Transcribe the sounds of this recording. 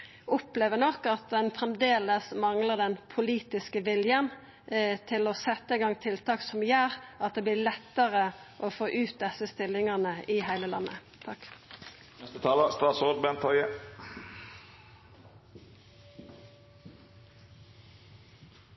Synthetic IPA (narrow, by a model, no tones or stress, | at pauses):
ʔʊpleːʋənɔkːɑt̪̚d̪ɛnfʁɛmd̪eːləsmɑŋləʁd̪ɛnpʰʊliːt̪ɪskəʋɪljən | t̪ʰɪlɔsɛt̪ːəɪɡɑŋt̪ʰɪlt̪ʰɑːksɔmjæːʁɑt̪̚d̪eːblɪːlɛt̪ːəʁəʔofoːʔʉːt̪̚d̪ɛsəst̪ɪlːɪŋɑnəʔɪhæɪləlɑ̰nːə̰ | t̪ʰɑk̪ | ɛst̪ət̪ʰɑːləst̪ɑːsɔd̪̚bɛnt̪ʰɔʏə